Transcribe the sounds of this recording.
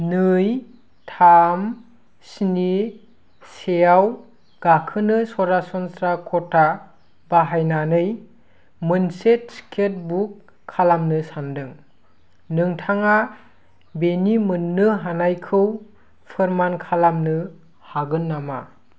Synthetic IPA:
nɯj | tʰam | sini | sejaw | ɡ̥akʰɯnɯsɔɾasɔnsɾakʰɔtʰa | baɦajnanɯj | mɯnset̚skʰet̚bukʰː | alamnɯsandɯŋ | nɯŋtʰaŋa | benimɯnːɯɦanajkʰɯw | pʰɯɾmankʰalamnɯ | haɡɯnːama̰

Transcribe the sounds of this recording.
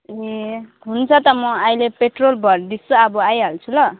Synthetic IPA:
eɦunt͡sʰʌt̪ʌmʌajlepeʈrolbʱʌɾd̪isuabʌajɦʌlt͡sʰulʌ

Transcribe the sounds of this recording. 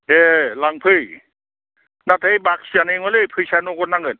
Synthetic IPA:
elaŋpʰɯj | natʰɯjbak̚sianɯjŋɔlɯpʰɯjsanokɔnaŋɯn

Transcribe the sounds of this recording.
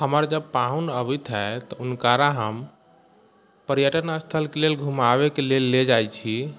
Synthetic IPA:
həməɾd͡ʒəb̚paɦunəbit̪ʰɦɛt̪ɔunkaɾaɦəm | pəɾjəʈənəst̪ʰəlkelelɡʱumaβekelelːed͡ʒajt͡ʃʰi

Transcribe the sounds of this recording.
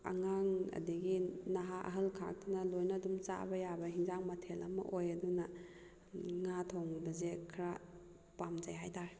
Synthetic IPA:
a̰ŋaŋɐ̰diɡinaɦaʔɐ̰ɦɐlkʰa̰k̚tʰanalojnadumt͡ʃa̰bɐjabɐɦiŋzaŋmatʰelɐ̰mɐ̰ʔojaduna | ŋatʰɔwŋbɐzekʰɾa | pamzajɦajtʰaɾ

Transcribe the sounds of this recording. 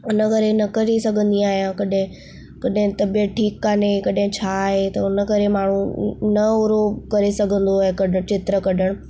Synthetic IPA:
ʊnəkɐɾenɐkɐɾesɐɡʱə̃nd̪iaːɦijãkɐɗɦɪ̃ | kɐɗɦɪ̃t̪ɐbijəʈʰiːkːaːnekɐɗɦɪ̃t͡ɕʰaːɦet̪ɐʊnə̆kɐɾemaːɳ̤ũnɐʊɾokɐɾesɐɡʱə̃nd̪oekɐɗʱə̃t͡ɕɪt̪ɾəkɐɗəɽ̃

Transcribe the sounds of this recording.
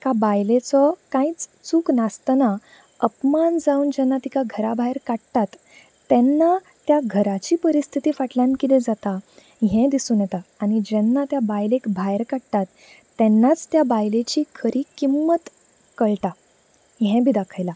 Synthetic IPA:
kabajlet͡sɔkãit͡st͡suːknast̪na | əpmand͡zauːnd͡ʑɛnːat̪ikaɡʱəɾabʱajɾkaɽt̪at̪ː | ɛnːa | t̪jaɡʱəɾat͡ɕiːpəɾist̪ʰit̪iːfaʈljãnkid̪ẽd͡zat̪a | ɦɛ̃d̪isuːnjɛt̪aañid͡ʑɛnːat̪jabajlekbʱajɾkaɽt̪at̪ː | ɛnːat͡st̪jabajlet͡ɕiːkʰəɾʔiːkimːət̪ | kəɭʈa | ɦɛ̃bid̪akʰəjla

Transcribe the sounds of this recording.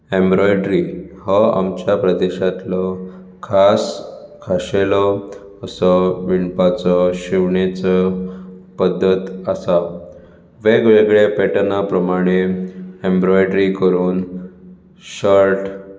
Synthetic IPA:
embɾɔjɖɾihɔa̰mt͡ɕjapɾəd̪eɕat̪lɔ | kʰaskʰaɕelɔ | əsɔʋiɳpat͡sɔɕiʋɳet͡sɔ | pəd̪ʱːət̪asa | ʋeɡɭeɡɭepeʈnapɾəmaɽ̃eembɾɔjɖɾikəɾuːn | ɕəɾʈ

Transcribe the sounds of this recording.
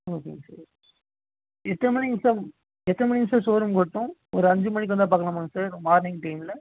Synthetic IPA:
oːkḛsɐ̰ːɾ | ɛt̪ːɐnɯmɐnisɐ̃ | ɛt̪ːɐnɯmɐnisɐ̃soːɾɯmkɔɽɯʈ̪ːʊ̃ɔɾɯɐɲd͡ʒɯmɐnɪkːʋɐnd̪aːp̬aːɾkːɐɳɐmaːŋɡɐsaːɾmaːɾnɪŋɡʈɐɪmɪlɐ

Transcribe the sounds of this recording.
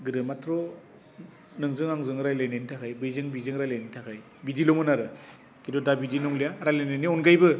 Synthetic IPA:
ɡɯɾɯmatʰɾɔ | nɯŋzɯŋaŋzɯŋɾajlajnajnitʰakʰajbɯjzɯŋbizɯŋɾajlajnitʰakʰaj | bidilɔmɯnaɾɯ | kidɔdabidinɔŋlijaɾajlajnaniɔnɡajbɯ

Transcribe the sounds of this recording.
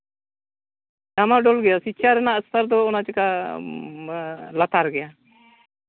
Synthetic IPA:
damaɖɔlɡɛjasit͡ʃʰaɾɛnaəst̪aɾd̪ɔːnat͡ʃɛka | lat̪aɾɡɛja

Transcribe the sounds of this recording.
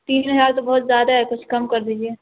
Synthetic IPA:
t̪iːnɦəzaːɾt̪obɐɦʊt̪zjaːd̪aɦɛkʊt͡ʃʰkɐmkɐɾd̪iːd͡ʒieː

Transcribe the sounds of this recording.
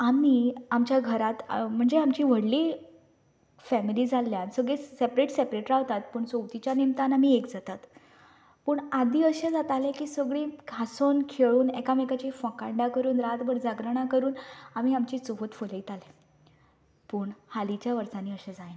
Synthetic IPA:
amiːamt͡ɕjaɡʱəɾat̪m̤əɳd͡zeamt͡ɕiːʋ̤əɽliː | fæmiliːd͡zʱalːjansəɡɭesepɾeʈsepɾeʈɾaʋt̪at̪̚pəːɳt͡sowt̪it͡ɕjanemt̪anam̤iekd͡zat̪at̪ | pəːɳad̪iːəɕẽd͡zat̪alẽkiːsəɡɭĩɡʱasonkʰeɭuːnekamekat͡ɕifə̃kaɳɖakəɾuːnɾat̪bəɽd͡zaɡɾəɽ̃akəɾuːnam̤iamt͡ɕiːt͡soɦot̪foləit̪alẽ | puːɳhalit͡ɕjaʋəɾt͡saniːəɕẽd͡zaen

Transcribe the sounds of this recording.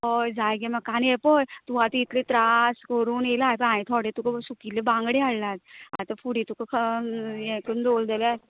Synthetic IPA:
ɦojd͡zajɡɛməkaniɛpəjt̪uɦat̪iːt̪ʰlet̪ɾaskəɾuːnelaɦjpəãit̪ʰɔɽet̪ukəsukilːebãŋɡɽealːad͡za̰t̪əfuɽit̪ukəkʰjɛkənd̪old̪ela

